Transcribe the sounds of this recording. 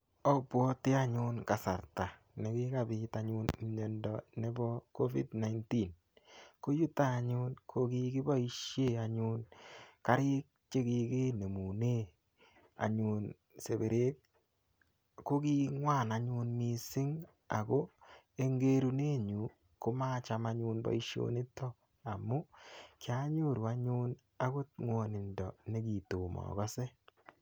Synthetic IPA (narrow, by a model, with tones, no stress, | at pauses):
ɔ˦pwɔ˦tɪ˦a˦ɲʊ˦nka˨sa̰˨ɾta˨ | ne˨kɪ˦ka˨bɪ˨ta˨ɲʊ˦n˨ɲɔ˨ndɔ˨ne˦bɔ˦ko˦vḭ˦dna˨jnti˦n | ko˦ju˦taː˦˨ɲʊ˦nkʰo˦ki˦kɪ˦ba˦i˦ʃje˦a˨ɲʊ˦nka˦ɾɪ˦k̚t͡ʃe˦ki˧ki˦ne˨mu˨ne˦ | a̰˨ɲu˨n | se˨be˨ɾe˦k̚ | ko˦ki˦ŋwa˦˨naɲu˧nmi˨sɪ˦ŋ | a̰˨ko˦ | e˦ŋɡe˦ɾu˦ne˦ɲu˨ | kʊ˦ma˦t͡ʃa˨maɲu˧nba̰˨i˦ʃjo̰˦ni˦tɔ˦ | a˨mu˦kja˦ɲo˦˨ɾwa˦ɲu˦n | a˦ko˦tŋwo˨nɪ˨ndɔ˨ne˦ki˨to˨mɔ̰˨kɔ˦se˦